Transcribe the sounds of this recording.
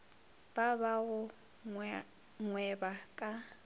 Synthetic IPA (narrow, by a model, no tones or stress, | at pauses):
b̥abaɣʊ | ŋwɛbakʼa